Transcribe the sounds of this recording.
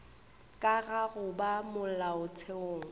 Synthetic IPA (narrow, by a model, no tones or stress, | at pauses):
kʼaɣaɣʊbamʊl̩laʊt͡sʰeoːŋ̩